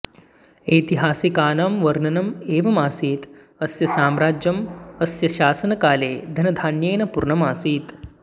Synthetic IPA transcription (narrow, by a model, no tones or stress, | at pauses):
eːjt̪iɦaːsikaːnamʋɐɾnɐnɐmeːʋɐmaːsiːt̪ | ɐsjɐsaːmɾaːd͡ʒjɐmɐsjɐʃaːsɐnɐkaːleːd̪ʱɐnɐd̪ʱaːnjeːnɐpuɾɳɐmaːsiːt̪